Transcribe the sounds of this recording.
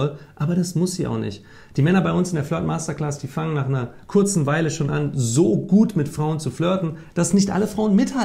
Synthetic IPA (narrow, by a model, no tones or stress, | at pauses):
ɔlʔaːbɐɾasmʊsz̥iːʔa̰ʊnɪ̰çt | d̥iːmɛnɐbaɪʊnsɪndeːɐlœɐtmaːstɐkl̥asəd̥iːfaŋənaːχaɪnɐkʰʊɐt͡sn̩vaɪləʃoːnʔanzoːɡuːtmɪtfʁ̥aʊənt͡suflœɐtn̩d̥asnɪçtʔa̰ləfʁ̥aʊənmɪtha